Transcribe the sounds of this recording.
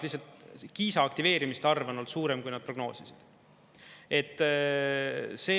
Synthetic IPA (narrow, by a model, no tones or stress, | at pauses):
lihsɑlt̪kiːsɑːk̚t̪ive̞ːɾimist̪ɑrvɑno̞lsuːɾemkujnɑd̪̥̚pro̞ɡ̥no̞̰ːsisid̪̥ | e̞t̪ːˑ | se̞ː